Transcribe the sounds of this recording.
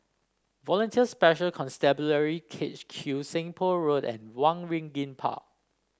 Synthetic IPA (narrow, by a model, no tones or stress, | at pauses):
vɔlə̃ntʰiəspɛʃəlkʰɔ̃nstɛbuləɹikʰet͡ʃkʰjusɛ̃ŋpʰɔɹodɛ̰̃nwãnɹĩŋɡĩnpʰa̰ʔ̚